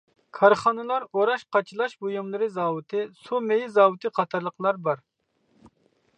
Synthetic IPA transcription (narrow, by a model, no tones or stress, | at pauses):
kʰɑɾχɑnɨlˠɑɾoɾɑʃqɑt͡ʃʰilˠɑʃbojumlˠɨɾɨzɑːwɨt̪ʰɨsumejɪzɑːwɨt̪ʰɨqʰɑt̪ʰɑɾlˠəqʰlˠɑɾbɑɾ